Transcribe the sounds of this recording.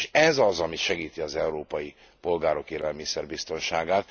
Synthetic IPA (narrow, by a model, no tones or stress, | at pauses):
ʃɛzɒzɒmiʃɛɡiːt̪iɒzɛuɾoːpɒji | po̞lɡaːɾo̞keːlɛlmisɛrbist̪o̞nʃaːɡaːt̪